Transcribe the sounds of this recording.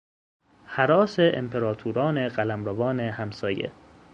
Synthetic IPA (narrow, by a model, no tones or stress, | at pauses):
hæɾɒːseʔḛmpʰeɾɒːt̪ʰuɾɒːneɢælæmɾævɒːnehæmsɒːjḛ